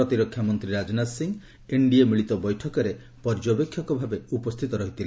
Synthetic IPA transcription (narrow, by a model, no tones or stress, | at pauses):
ɔt̪iɾɔkʰːjamɔnt̪ɾiɾad͡ʒɔnasiŋ | eɳɖiemiɭit̪ɔbɔjʈʰɔkɔɾe | pɔɾd͡ʒɔbekʰːjɔkɔbʱabeupɔst̪ʰit̪ɔɾɔɦit̪ʰile